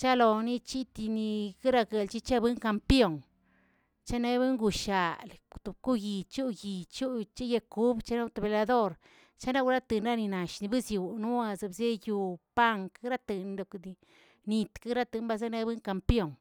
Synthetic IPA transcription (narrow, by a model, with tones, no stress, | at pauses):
t͡ʃa˦lo˨ni˦t͡ʃi˦t̪i˧ni˧ki˦ɾa˧ɡe˨lt͡ʃi˦t͡ʃa˦bɨ˦ŋka˧mpjo˧˨ŋ | t͡ʃa˦ne˦be˦ŋɡu˨ʃa˨lt̪u˨bku˦ji˨t͡ʃu˦ji˨t͡ʃu˦t͡ʃe˦je˧ku˦bt͡ʃa˦no˦t̪o˧˨be˨la˧d̪o˦ɾ | t͡ʃa˦na˦ku˧ɾa˦t̪ɨ˨nɾa˦ni˧na˨ʃni˧bɨ˦zju˨nu˦a˧za˧bze˦ju˧pa˦ŋkɾa˦t̪ɨ˨n˧d̪o˧˨kd̪i˧ | ni˧t̪ka˦ɾa˦t̪ɨ˧nba˧za˦na˧˦bɨ˦ŋka˧mpjo˦˨ŋ